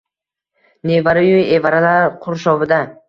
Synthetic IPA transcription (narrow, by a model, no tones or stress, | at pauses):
nevaɾɪjʊjevaɾalaɾqʰʊɾʃɒvɪd̪a